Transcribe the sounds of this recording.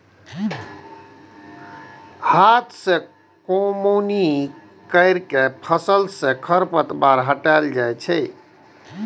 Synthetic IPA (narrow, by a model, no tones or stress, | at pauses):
hat̪ʰsẽ | komuoni | kəɪɾkepʰəsəlsẽkʰəɾpət̪baɾɦəʈald͡ʒajt͡ʃʰɛj